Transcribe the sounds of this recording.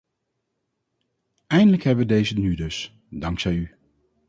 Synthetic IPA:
ɛjndələkɦɛbʋədejzənydɵs | dɑŋksɛjy

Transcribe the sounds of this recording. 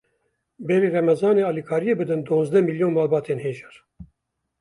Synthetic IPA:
bɛɾiːrɛmɛzɑːneːɑːlikʰɑːɾijeːbɨd̪ɨnd̪oːzd̪ɛmiljoːnmɑːlbɑːt̪ʰeːnheːʒɛɾ

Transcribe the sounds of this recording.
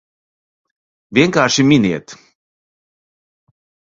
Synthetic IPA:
vʲiɛŋkaːɾʃiminiɛt̪

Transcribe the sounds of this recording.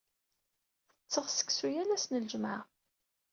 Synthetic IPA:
t͡sːəʁsə̥ksujælæsnəlʒmaʁ

